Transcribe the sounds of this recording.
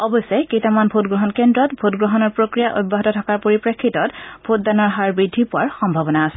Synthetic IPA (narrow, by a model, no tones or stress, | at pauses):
ɔbɔsɔjkejtamanbʱotɡɹɔɦɔnkendɹɔtbʱotɡɹɔɦɔnɔɹpɹokɹijaʔobːaɦɔtɔtʰakaɹpoɹipɹekʰːitɔtb̥ʱot̚danɔɹɦaɹbɹidʱːipʊaɹxɔmbʱabɔnaːsɛ̥